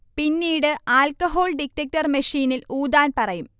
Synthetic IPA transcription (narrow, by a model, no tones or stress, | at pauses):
pinːiːɽɨaːlkɐɦo̞ːlɖik̚tːɐk̚tɐrmɐʂiːniluːd̪aːnpɐrɐjum